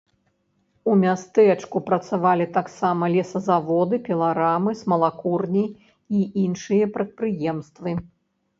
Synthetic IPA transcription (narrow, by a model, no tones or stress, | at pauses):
umʲast̪ɛt͡ʂkupɾɐt̪savalʲit̪aksamɐlʲɛsɐzavɔd̪ɨpʲɛlˠaɾamɨsmɐlˠakurnʲi | iinʂɨjɐpɾɐt̪̚pɾɨjɛmst̪vɨ